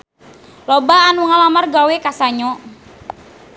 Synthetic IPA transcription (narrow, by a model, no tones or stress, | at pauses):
lɔbaːnuŋalamarɡawekasaɲɔ